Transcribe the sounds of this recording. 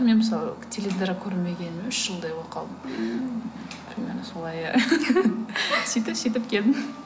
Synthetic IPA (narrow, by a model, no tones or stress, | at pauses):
menməsɑlˠət̪ʲʰelʲevʲid̪ɾakʲʰɵɾɪnme̞ɡʲe̞nɪmenʏʃʒ̥əlˠd̪ɑjwoqʰɑlˠd̪əm | t̪ʰɪɾmʲḛnɪsolˠɑj | sijt̪ɪsijt̪̬ɪp̚kʲʰe̞ld̪ɪm